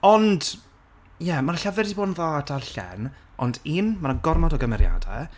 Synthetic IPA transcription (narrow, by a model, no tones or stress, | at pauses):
ɔnd | jɛmarɬavɪrdiboːdnðɔdarɬɛ̰nɔndiːnmaɾənɡɔrmɔdɔɡəmɛɾja̰dɛ̰